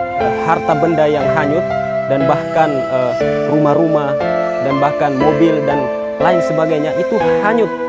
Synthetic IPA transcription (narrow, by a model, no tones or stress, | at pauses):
əhart̪abəndajaŋɦaɲʊt̪̚ | danbahkan | ə | rumahɾuma | danbahkanmobɪldan | laɪnsəbaɡajɲaʔit̪uhaɲʊt̪̚